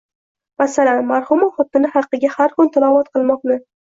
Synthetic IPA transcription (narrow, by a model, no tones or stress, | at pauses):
masalanmaɾhʊmɪχʊt̪ːɪnɪhɑqːɨɡʲahaɾkʰʊnt̪ʰalˠɒvɒt̪qʰɨlˠmɒqnɪ